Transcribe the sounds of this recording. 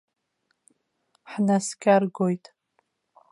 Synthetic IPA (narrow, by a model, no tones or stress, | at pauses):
ħnaskʲʰʼarɡojtʼ